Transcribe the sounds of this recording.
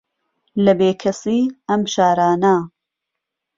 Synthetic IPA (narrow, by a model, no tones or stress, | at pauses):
lɐbeːkʰɐsiːɐmbʃaːɾaːnɐ